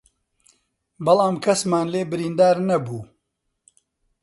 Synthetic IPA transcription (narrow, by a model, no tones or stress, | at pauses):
bɐlɑːmkʰɐsmaːnleːbɨɾiːnd̪aːɾnɐbuː